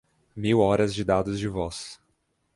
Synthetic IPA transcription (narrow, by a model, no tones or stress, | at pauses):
miwɔɾɐzd͡ʒɪd̪ad̪ʊzd͡ʒɪvɔs